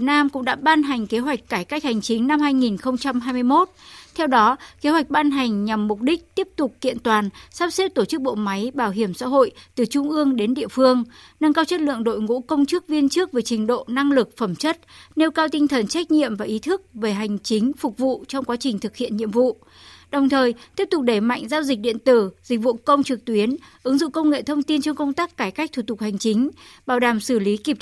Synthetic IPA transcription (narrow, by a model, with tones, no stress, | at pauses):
t̚naː˧mkʊ̰˧˥ŋ͡mɗa̰ː˧˥ɓaː˧nɦa˨˩jŋ̟ke˨˦ɦwa˨˩jk̟̚kaː˧˩jka˦˥jk̟̚ha˨˩jŋ̟t͡ɕï˨˦ŋ̟na˧mhaː˧jŋi˨˩nxə˧wŋ͡mt͡ɕa˧mɦaː˧jmɨ˧əjmo˦˥t̚t̪ʰɛ˧wɗɔ˨˦ke˨˦hwa˨˩jk̚ɓaː˧nɦa˨˩jŋ̟ɲa˨˩mːʊ˨˩k͡p̚ɗï˦˥k̟̚t̪i˦˥əp̚t̪ʊ˨˩k͡p̚kḭ˧˨ənt̪waː˨˩nsaː˦˥p̚si˦˥t̚t̪o˧˩t͡ɕɨ˦˥k̚ɓo̰˧˨ma˨˦jɓaː˧˩wɦi˧˩əmsa̰ː˧˥ɦo̰˧˨jt̪ɨ˨˩t͡ɕʊ˧ŋ͡mʔɨ˧əŋɗe˨˦nɗḭ˧˨əfɨ˧əŋ | nə˧ŋkaː˧wt͡ɕə˦˥t̚lɨ̰˧˨əŋɗo̰˧˨jŋṵ˧˥kə˧wŋ͡mt͡ɕɨ˦˥ək̚vi˧ənt͡ɕɨ˦˥ək̚ve˨˩t͡ɕï˨˩˦ŋ̟ɗo̰˧˨na˧ŋlɨ˨˩k̚fə˧˩mt͡ɕə˦˥t̚ne˧wkaː˧wt̪ï˧ŋ̟t̪ʰə˨˩nt͡ɕa˦˥jk̟̚ɲḭ˧˨əmvaː˨˩ʔi˨˦t̪ʰɨ˦˥k̚ve˨˩ɦa˨˩jŋ̟t͡ɕi˨˦ŋ̟fʊ˨˩k͡p̚vṵ˧˨t͡ɕɔ˧wŋ͡mkwaː˨˦t͡ɕï˨˩ŋ̟t̪ʰɨ˨˩k̚hḭ˧˨ənɲḭ˧˨əmvṵ˧˨ | ɗə˨˩wŋ͡mt̪ʰəː˨˩jt̪i˦˥əp̚t̪ʊ˨˩k̚ɗe˧˩ma̰˧˨jŋ̟zaː˧wzi˨˩k̟̚ɗḭ˧˨ənt̪ɨ˧˩zi̟˨˩vṵ˧˨kə˧wŋ͡mt͡ɕɨ˨˩k̚t̪wi˨˦ənʔɨ˨˦ŋzṵ˧˨wkə˧wŋ͡mŋḛ˧˨t̪ʰə˧wŋ͡mt̪i˧ənt͡ɕɔ˧wŋ͡mkə˧wŋ͡mt̪aː˦˥kːaː˧˩jka˦˥k̚t̪ʰu˨˧˩t̪ʊ˨˩k̚ha˨˩jŋ̟t͡ɕi˨˦ŋ̟ɓaː˧˩wɗaː˨˩msɨ˧˩li˨˦ki˧˨˩p̚